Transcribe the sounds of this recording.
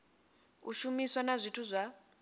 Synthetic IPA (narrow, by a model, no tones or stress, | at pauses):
uʃumiswanazʷitʰuzʷa